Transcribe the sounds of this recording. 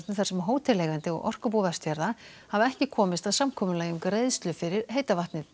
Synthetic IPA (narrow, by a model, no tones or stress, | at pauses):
t̪nɪθḁɾsɛmɦoːwt̪ʰɪlːeːɣant̪ɪɔ̰ɣʔɔ̰r̥kʏp̬uvast̪jaɾða | havaɛhcɪkʰɔːmɪst̪aðsamkʰɔːmʏlaːjʏmkɾeːjðst̪lʏfɪɾɪɾ̥ɦeːjt̪avaht̪nɪ